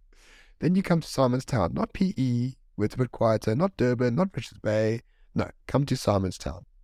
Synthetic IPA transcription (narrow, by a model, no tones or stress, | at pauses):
ðɨ̃njɨkʰʌ̃mtʰə̥saɪmə̃nz̥tʰãʊ̃nːət̚pʰiʔi | wɪtʰəbəd̚kʰw̥aɪətʰənət̚d̥ɜːbə̃nət̚ɹɪt͡ʃəzbeɪ | no̰ʊkʰʌ̃mtʰɨsaɪmə̃nz̥tʰã̰ʊ̃n